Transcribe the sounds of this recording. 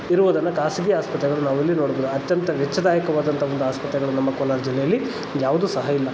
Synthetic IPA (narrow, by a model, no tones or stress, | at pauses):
iɾuʋɐd̪ɐnːɐkaːsiɡijaːspɐt̪ɾɛɡɐɭunaːʋuilːinoːɽuboːd̪uɐt̪jɐnt̪ɐʋɛt͡ʃːɐd̪aːjɐkɐʋaːd̪ɐnt̪ʰɐʋond̪uaːspɐt̪ɾɛɡɐɭunɐmːɐkoːlaːɾd͡ʒilːɛjɐlːi | jaːʋud̪usɐɦɐilːɐ